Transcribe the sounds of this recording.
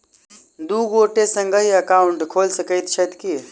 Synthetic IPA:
d̪uɡoːʈesə̃ŋɡəɦiɐkaːʊɳʈkʰoːlsəkəjt̪t͡ʃʰət̪ki

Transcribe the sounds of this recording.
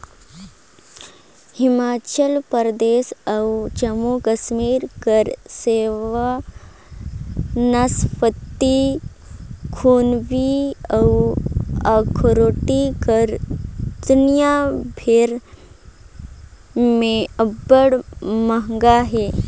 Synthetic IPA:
himat͡ɕəlpəɾd̪esəwt͡ɕəmukəsmiːɾkəɾseʋa | naspət̪ːi | kʰunʋiaw | akʰɾoʈikəɾd̪unjabʱeɾ | mẽəbəɽməɦŋɡaɦe

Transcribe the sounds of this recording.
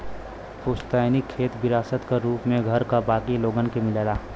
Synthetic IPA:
koːst̪aːɪnikʰːeːt̪bɪɾaːsət̪kaɾuːpmẽɡʱəɾkabaːkiloːɡənkemɪleːlaː

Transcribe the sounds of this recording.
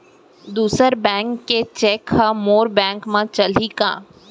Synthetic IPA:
d̪uːsəɾbɛ̃ːŋkːet͡ʃeːkhamoːɾbɛ̃ːŋkmãt͡ʃɐlikãː

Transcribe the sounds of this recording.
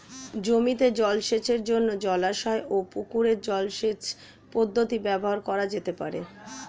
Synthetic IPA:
d͡ʑomit̪ed͡ʑɔlʃet͡ɕeɾd͡ʑonːod͡ʑɔlaʃɔeʔopukuɾeɾd͡ʑɔlʃet͡ɕ | pod̪ʱːot̪ibɛboɦaɾkɔɾad͡ʑet̪epa̰ɾḛ

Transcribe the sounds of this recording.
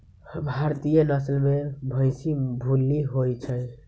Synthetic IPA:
bʱaɾt̪ijənəslmebʱə̃ɪsibʱulːiɦojt͡ʃʰəj

